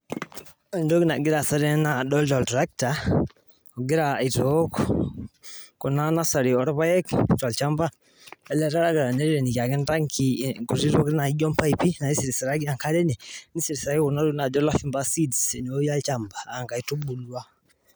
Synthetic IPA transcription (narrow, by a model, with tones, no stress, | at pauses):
a˦ndo˦ki˦na˨ɡɪ˦ɾa˨sa˦ɾɛ˦na˨dɔ˦ltɔ˨ltɾa˦k̚ta˨ | ɔ˨ɡɪ˦ɾa˨i˨to˦k | kɔ˨na˦na˦sa˨ɾi˨ɔ˨ɾβa˦jɛ˦kt͡ʃwa˨lt͡ʃa˦mba˦ | a˨la˦ɾa˦ɾa˦ɡa˨ɾa˨nɛ˦ɾi˦ɾɛ˨ni˨ka˨kɪ˦nda˦ŋkʰi˨ku˨ɾi˦ɾo˦kna˨i˦ɟɔ˦mpa˦i˨pi˦na˨i˦si˨ɾi˨sa˨ɾa˦ɡi˦a˨ŋka˦ɾɛ˦nɛ˨ni˦si˨ɾi˨sa˨i˦ku˨na˦ɾu˦na˨d͡ʒɔ˦la˦fi˦mba˦si˦dsɛ˨no˦ja˦lt͡ʃa˨mbaː˨ŋka˨i˨˦tu˦bu˨lu˦a˦